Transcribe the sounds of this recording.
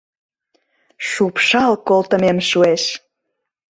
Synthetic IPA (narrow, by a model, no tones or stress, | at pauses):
ʃupʃɑlkolt̪ə̆memʃueʃ